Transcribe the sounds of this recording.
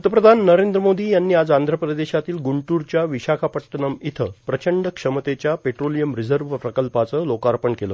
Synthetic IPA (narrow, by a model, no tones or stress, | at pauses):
t̪əpɾəd̪ʱanːəɾend̪ɾəmod̪iːjanːiːad͡zand̪ʱɾəpɾəd̪eɕat̪iːlɡuɳʈuɾt͡ɕjaʋiɕakʰapəʈːənəmit̪ʰəpɾət͡ɕəɳɖəkʂəmət̪et͡ɕjapeʈɾolijəmɾid͡zəɾʋpɾəkəlpat͡səːlokaɾpəɳkeləː